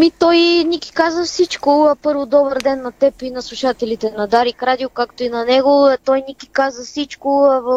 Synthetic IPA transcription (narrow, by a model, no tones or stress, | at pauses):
mit̪ɔjnikʲi̥kazvəfsit͡ʃkʊpɤɾvod̪ɔbəɾd̪ɛnːɐt̪ɛpinɐslˠuʃat̪ɛlit̪ɛnɐd̪aɾikɾad̪iokakt̪oinɐnɛɡot̪ɔjnikʲi̥kazvəfsit͡ʃkʊv